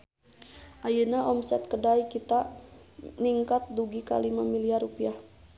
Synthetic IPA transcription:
ʔajənaʔɔmsɛt̪̚kədaikit̪a | niŋkat̪̚duɡika̰limamiliarupiah

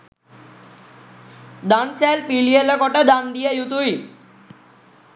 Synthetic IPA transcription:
d̪ansɛlpilijelekɔʈed̪and̪ijejut̪uj

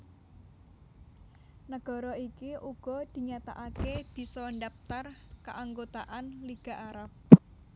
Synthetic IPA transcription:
nəɡ̥ɔ̤ɾɔikiʔuɡ̥ɔ̤d̪̥i̤ɲat̪a̰ʔakeb̥i̤sɔnɖap̚t̪arkaʔaŋɡot̪aʔanliɡ̥a̤ʔaɾap̚

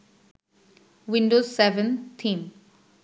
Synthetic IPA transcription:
ʋɪ̃ɳɖoːzsɛʋə̃nt̪ʰĩːm

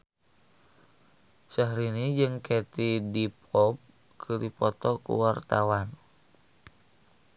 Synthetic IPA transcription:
saɦɾinid͡ʒɨŋkɛt̪idipʰɔp̚ | kʰɨdipɔt̪ɔkṵwart̪awan

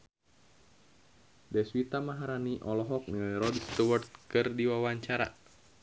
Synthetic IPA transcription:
dɛswit̪amaɦaɾaniʔɔlɔɦɔk̚niɾɔdst̪uwart̪̚kɨrdiwawaɲt͡ʃaɾa̰

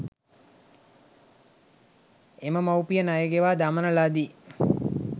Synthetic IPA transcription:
eməmawpijənajəɡeʋaːd̪amənəlad̪i

